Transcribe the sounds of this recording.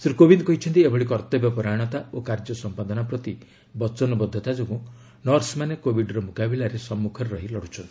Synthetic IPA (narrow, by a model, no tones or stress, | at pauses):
sɾikobind̪ɔkɔɦit͡ʃʰɔnt̪iebɔɭikɔɾt̪ɔbjɔpɔɾaɽ̃ɔt̪aokaɾd͡ʒɔsɔmpad̪ɔnapɾɔt̪i | bɔt͡ʃɔnɔbɔd̪ʱːɔt̪ad͡ʒoɡũ | nɔɾsmanekobiɖɾɔmukabilaɾesɔmːukʰɔɾeɾɔɦilɔɽut͡ʃʰɔnt̪i